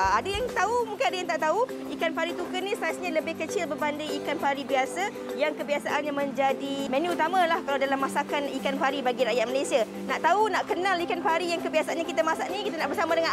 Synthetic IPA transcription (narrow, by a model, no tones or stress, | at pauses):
adajaŋt̪aumuŋkɪnadajaŋt̪aʔt̪au | ikanpaɾit̪ukənĩslasɲaləbɪhkət͡ʃɪlbərbandajikanpaɾibiasa | jaŋkəbiasaʔanɲamə̃ɲd͡ʒadimɛ̃nuut̪amãlahkalawdalamːasakanikanpaɾibaɡiɾaʔjat̪̚malajsia | naʔt̪aunaʔkənãlikanpaɾijaŋkəbiasaʔanɲakit̪amasaʔnĩkit̪anaʔbərsamadəŋan